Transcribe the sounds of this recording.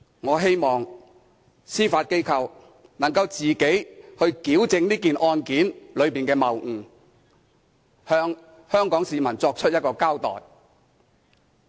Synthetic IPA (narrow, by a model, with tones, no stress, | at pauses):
ŋɔː˨˧ɦe˥jmɔː˨˩ŋ | siː˥faː˧t̚ke˥jkʰɐ˧w | nɐ˨˩ŋkɐ˧wt͡siː˨˩ke˨˥jhɵ˧ɥkiː˨˥wt͡sɪ˧ŋniː˥kiː˨nʔɔː˧nkiː˨˥nlɵ˨˧ɥpiː˨˩nkɛː˧mɐ˨wŋ̩˨˩ | hœː˧ŋ | hœː˥ŋkɔː˨˥ŋsiː˨mɐ˨˩nt͡sɔː˧k̚t͡ʃʰɵ˥t̚jɐ˥tkɔː˧kaː˥wt̪ɔ̰ː˨˩j